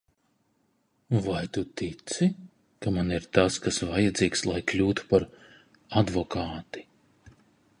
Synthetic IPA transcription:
vajt̪ut̪it̪si | kamaniɾt̪askasvajad̪ziːkslˠajklʲuːt̪u̥paɾ | ad̪vɔkʰaːt̪i̥

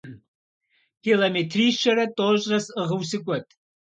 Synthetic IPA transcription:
kʰilometʰriːʃɐɾɐtʼoʒrɐsɨʁɨwsɨkʷʼɐtʼ

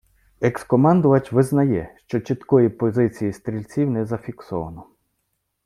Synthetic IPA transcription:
ekskɔmɑnd̪ʊʋɐt͡ʃʲʋɪznɐjɛʃt͡ʃɔt͡ʃit̪kɔjipɔzɪt͡sʲijist̪ɾʲilʲt͡sʲiwnɛzɐfʲiksɔʋɐ̰nɔ

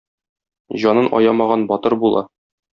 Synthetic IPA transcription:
ʑɒnɤnɒ̰jɑmɑʁɑnbɒt̪ɤɾbulˠɑ̰

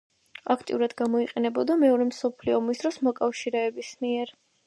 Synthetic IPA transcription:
akʰt̪ʼḭuɾad̪ɡamɔiqʼɛnɛbɔd̪amɛɔɾɛmsɔpʰliɔːmisd̪ɾɔsmɔkʼafʃiɾɛːbismiɛɾ

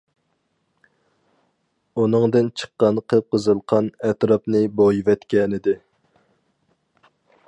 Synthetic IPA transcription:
unɨŋd̪ɨnt͡ʃʰə̥qːɑnqʰəp̚qʰəzɨlˠqʰɑnɛt̪ɾɑpnɨbojvɛt̪kʲɛnɪd̪ɪ

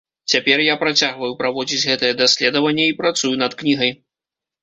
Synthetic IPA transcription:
t͡sʲapʲɛrjapɾat͡sʲaɣvɐjupɾavɔd͡zʲit͡sʲɣɛt̪ɐjɛd̪asʲlʲɛd̪ɐvɐnʲːɛipɾat̪sujunɐt̪knʲiɣɐj

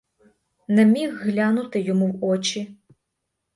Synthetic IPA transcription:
nɐmʲixːlʲanut̪ɪjɔmuwɔt͡ʃi

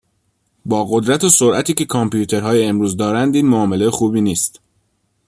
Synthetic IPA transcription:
bɒːɣo̞d̪ɾæt̪ʰesoɾʔæt̪ʰiːce̞kʰɒmpjuːt̪ʰe̞ɾɦɒːjeːmɾuːzd̪ɒːɾænd̪iːnmoɒːmelejxuːbiːniːst̪

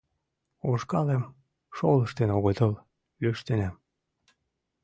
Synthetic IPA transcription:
oʃkɑlem | ʃoləʃt̪enoɣət̪ɤl | øʃt̪enæm

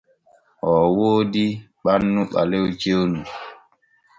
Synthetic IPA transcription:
ɔwoːdi | ɓanːuɓa̰lewt͡ʃewnu

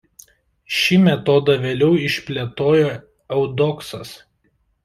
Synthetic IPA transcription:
ʃʲimʲɛt̪ɔd̪ɐʋʲeːlʲɛʊɪʃʲpʲlʲet̪oːjo | ɛʊd̪ɔksɐs

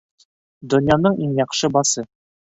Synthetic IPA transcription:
d̪ɵ̆njɑnɤɴiɴjɒqʃɤbɑsɤ

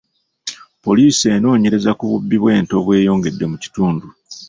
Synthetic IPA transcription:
po̞liːse̞ːno̞ːɲe̞ɾe̞zakuβubːiβwe̞ːntoβwe̞ːjo̞ːŋɡe̞dːe̞muci̥tuːndu

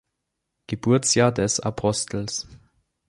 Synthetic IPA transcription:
ɡ̥əbuɐt͡sjaːdɛsa̰pʰɔstl̩s

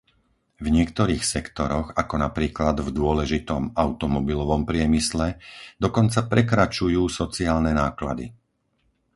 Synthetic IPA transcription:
vɲɪɛk̚t̪ɔɾiːxsɛkt̪ɔɾɔɣakɔnapɾiːklad̪vd̪ʊɔlɛʒit̪ɔmaʊt̪ɔmɔbilɔʋɔmpɾɪɛmislɛd̪ɔkɔnt͡sapɾɛkɾat͡ʃujuːsɔt͡siaːlnɛnaːkla̰d̪ḭ

